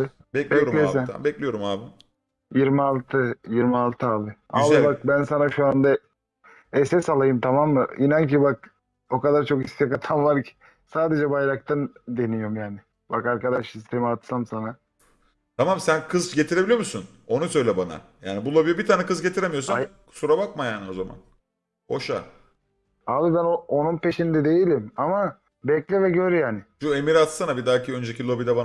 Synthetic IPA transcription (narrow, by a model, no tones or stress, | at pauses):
bɛclbiɛoɾlʲesɛn̰bɛclʲijo̞ɾumaːbim | jiɾmialˠt̪ʰɯjiɾmialˠt̪ʰɯaːbɪabbak̚bænsanaʃuand̪a | ɛsɛsalˠajɯmt̪ʰamamːɯinancibak̚ | o̞kad̪aɾt͡ʃʰo̞kist̪ʰakat̪ʰamvaɾcʰi̥ | saːd̪e̞d͡ʒɛbajɾak̚t̪ʰand̪e̞nijomjaːnɪ | bakaɾkad̪aʃist̪ʰemiat̪samsana | t̪ʰamamsænkʰɯzɟe̞t̪ʰiɾe̞bilʲijomusun | o̞nusø̞jlʲɛbana̰ja̰ːnibulˠo̞bijibit̪ʰaːnɛkɯzɟe̞t̪ʰiɾemijo̞ɾsaa | suɾabak̚majaːnio̞zama̰n | ho̞ʃa̰ | habibænoonunpe̞ʃind̪ɛd̪e̞jilʲimama | bɛclʲivɛɟøɾyjaːnɪʃue̞miɾat̪sanabid̪aːciø̞nd͡ʒecʰilˠo̞bid̪ɛban